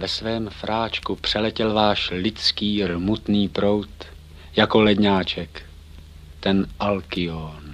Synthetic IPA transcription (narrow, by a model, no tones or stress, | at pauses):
vɛsvɛːmfɾʔaːt͡ʃkupr̝̥ɛlɛcɛlvaːʃlɪt͡skiːrmut̪niːpɾo̞wt̪ | jako̞lɛdɲaːt͡ʃɛk | t̪ɛnʔalkɪon